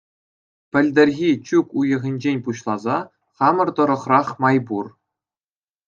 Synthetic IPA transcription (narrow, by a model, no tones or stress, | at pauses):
pʲɘ̆lʲd̪ʲɘ̆rʲɣʲit͡ɕukujɤ̆ʁʲĭnʲd͡ʑenʲpuɕlˠɑzɑ | χɑmɤ̆rt̪ɤ̆ɾɤ̆χrɑχmɑjbur